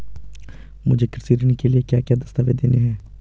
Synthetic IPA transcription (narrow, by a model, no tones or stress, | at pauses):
mʊd͡ʒʱekɪɾsiːɾnikeliekjaːkjaːd̪ɐst̪aːʋed̪eːneɦɛ̃ː